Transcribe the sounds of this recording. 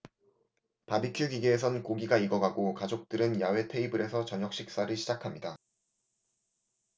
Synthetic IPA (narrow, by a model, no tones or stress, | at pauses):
pabikʰjuɡiɡeːs̬ʰʌnkoɡiɡaiɡʌɡaɡokad͡ʑok̚t͈ɯɾɯnjawe̞tʰe̞ibɯɾe̞sʰʌt͡ɕʌɲʌk̚ɕ͈ik̚s͈aɾɯɭɕʰid͡ʑakʰamɲida